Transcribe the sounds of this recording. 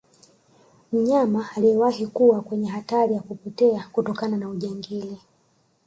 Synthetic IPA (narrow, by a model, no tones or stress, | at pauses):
m̩ɲamaːlijɛwahikuwakwɛɲɛɦataɾijakupɔtɛakutɔkananauʄaŋɡili